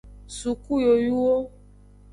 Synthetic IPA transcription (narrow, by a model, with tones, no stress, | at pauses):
su˨ku˦jo˨ju˦wo˦